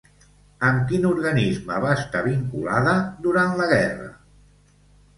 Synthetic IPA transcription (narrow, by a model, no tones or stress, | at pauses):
əmkinuɾɣənizməβaəst̪aβiŋkulaðəd̪uɾanləɣɛrə̰